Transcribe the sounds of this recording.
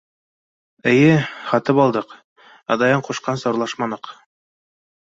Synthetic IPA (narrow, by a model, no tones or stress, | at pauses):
ɘ̆jɘχɑt̪ɤpɑlˠd̪ɤq | ɑ̰d̪ɑjɑɴquʃqɑnsŏɾlˠɑʃmɑnɤq